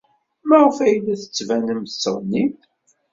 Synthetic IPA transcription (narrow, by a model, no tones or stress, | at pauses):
mæʁəfæjlːæθə̥t͡sːvænəmθə̥sːəɾˤnit̪